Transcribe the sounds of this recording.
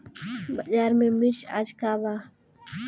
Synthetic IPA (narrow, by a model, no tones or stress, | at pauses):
bəd͡ʒaːɾmẽːmit͡ʃa̰d͡ʒkaːbaː